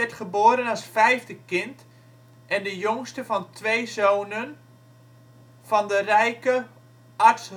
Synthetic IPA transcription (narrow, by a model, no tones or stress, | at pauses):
ɛtχəboːɾənasfɛjvdəkɪnt | ʔɛndəjoŋstəfɑntʰʋejzoːnən | fɔndərɛjkə | ɑɹts